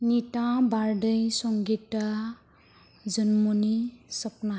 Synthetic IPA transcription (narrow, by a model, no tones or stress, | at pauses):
nitãbaɾɖʌjsɔŋɡita | d͡ʒʌnmonisʌpna